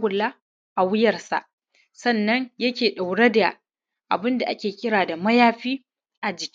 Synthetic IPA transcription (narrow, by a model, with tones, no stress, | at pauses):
ɡʷʊ˨lːa˦ | ʔa˨wɪ˦jɐ˨rsa̰˨ʔ | sɐ˦˨nːɐ˦ɲjɐ˦kʲeː˨ɗa˨wɽe˦da˨ | ʔa̰˨bɪ˦nda˨ʔa˦kʲeː˨kʲɪ˦ɾaː˨da˨mɐ˦jaː˦ɸiː˦ | ʔa˨d͡ʒɪ˨kʲ